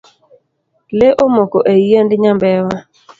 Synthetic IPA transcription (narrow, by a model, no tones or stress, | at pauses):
leʔomokoʔejendɪɲambɛwa